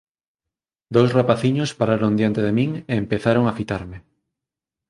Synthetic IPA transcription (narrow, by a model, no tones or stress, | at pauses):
d̪owsrapaθiɲospaɾaɾond̪jant̪eðemĩŋeːmpeθaɾoŋafit̪aɾme